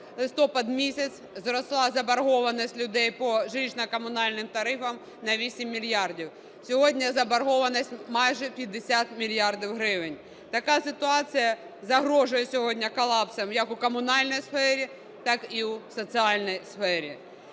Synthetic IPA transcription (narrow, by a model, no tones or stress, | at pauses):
lˠɪst̪ɔpɐd̪mʲisʲɐt͡sʲzɾɔslˠɑzɐbɐrɦɔʋɐnɔsʲtʲlʲʊd̪ɛjpɔʒɪt͡ʃnɐkɔmʊnɑlʲnɪmt̪ɐɾɪfɐm | nɐʋʲisʲimʲːilʲjɑrdʲiw | sʲɔɦɔdʲnʲɐzɐbɐɾɦɔʋɐnɐsʲtʲmɑjʒɛpʲjɐd̪ːesʲat̪mʲilʲjɑrdʲiwɦɾɪʋɪnʲ | t̪ɐkɑsɪt̪ʊɑt͡sʲijɐ | zɐɦɾɔʒʊjɛsʲɔɦɔdʲnʲɐkɔlˠɑpsɐmjɐkʊkɔmʊnɑlʲnɔjsfɛɾʲi | t̪ɑkiusɔt͡sʲiɑlʲnɔjsfɛɾʲi